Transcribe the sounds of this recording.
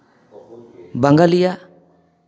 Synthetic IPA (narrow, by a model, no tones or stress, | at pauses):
baŋɡalija